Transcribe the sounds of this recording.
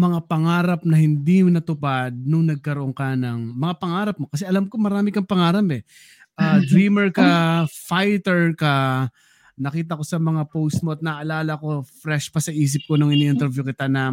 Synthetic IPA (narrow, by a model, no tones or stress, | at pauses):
mɐŋapɐŋaːɾɐp̚nɐhɪnd̪imʊnɐt̪ʊpad̪̚nʊŋnɐɡ̚kɐɾoʔoŋkɐnɐŋmɐŋapɐŋaːɾɐp̚mo̞kɐsɛʔɐlamkomɐɾaːmɪkɐŋpɐŋaːɾɐpɛ | ʔaːd̪ɾiːmɛɹkɐfajt̪ɛɹkɐ | nɐkiːt̪̬ɐko̞sɐmɐŋapowst̪̚moɐt̪̚nɐʔʔɐlaːlɐko̞fɾɛʃpɐsɐʔiːs̬ɪp̚konʊŋɪniːʔɪnt̪ɛɾvjukɪt̪anɐ